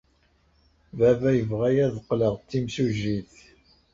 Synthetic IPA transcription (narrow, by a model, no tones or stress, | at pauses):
vævæjəvʁæjæðəqːləʁt̪ːimsuʒiθ